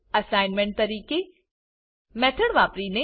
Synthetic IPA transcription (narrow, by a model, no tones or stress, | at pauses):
ɐsaːɪnmẽɳʈ̚t̪ɐɾiːke | mɛːt̪ʰəɽʋaːpɾine